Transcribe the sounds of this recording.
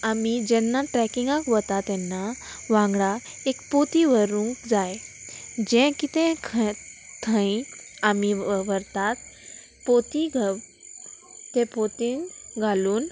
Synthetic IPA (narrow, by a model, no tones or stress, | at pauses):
amid͡ʑɛnːaʈɾɛkiŋɡãkʋət̪at̪ɛnːaʋãŋɡɽa | ekpot̪iʋəɾũkd͡zaj | d͡ʑɛ̃kit̪ɛ̃kʰt̪ʰə̃ĩ | amiʋəɾt̪at̪ | pot̪iɡʱ | t̪ɛ̃pot̪iːŋɡʱaluːn